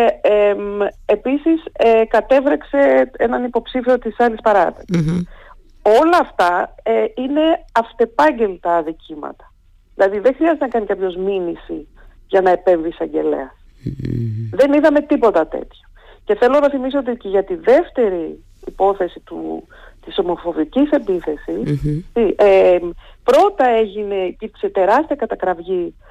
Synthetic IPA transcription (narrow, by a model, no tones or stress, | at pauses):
eme̞pisisekɐt̪e̞vɾekse̞enɐnipo̞psifio̞t̪isɐlispɐɾɐt̪ɐksi | o̞lɐːft̪ɐeine̞ɐft̪e̞pɐɲɟe̞lt̪ɐðicimɐ̰t̪ɐ̥ | ðilɐðiðexɾiɐzet̪enɐkɐnikɐpço̞zminisi | ʝɐnɐepe̞ɱviːsɐɲɟe̞̰le̞̰ɐs | ðe̞niðɐme̞t̪ipo̞t̪ɐt̪e̞̰t̪ço̞̥ | ce̞θe̞lo̞nɐθimisoot̪iceʝɐt̪iðe̞ft̪e̞ɾi | ipo̞θe̞sit̪ṵ | t̪iso̞mo̞fo̞vicise̞piθe̞sisiʔepɾo̞t̪ɐe̞ʝine̞iset̪e̞ɾɐst̪iɐkɐt̪ɐkɾɐvʝi